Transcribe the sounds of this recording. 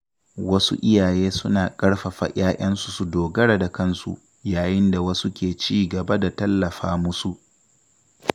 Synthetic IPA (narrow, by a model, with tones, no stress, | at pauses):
wɐ˦sṵ˦ʔɪ˦jaː˨jeː˦sʊ˦naː˨kʼɐ˦ɽɸɐ˨ɸa̰ː˨j̰aː˦jʔɐ˦nsu˨su˨doː˨ɡɐ˦ɽa˨da˨kɐ˦nsṵ˦ʔ | jaː˨jɪ˦nda˨wɐ˦su˦kʲeː˨t͡ʃiː˦ɡɐ˨ba˦da˨tɐ˦lːɐ˨ɸaː˦mʊ˦su˦ʔ